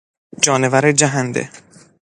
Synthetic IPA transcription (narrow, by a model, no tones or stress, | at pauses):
d͡ʒɒːnevæɾed͡ʒæɦænd̪ḛ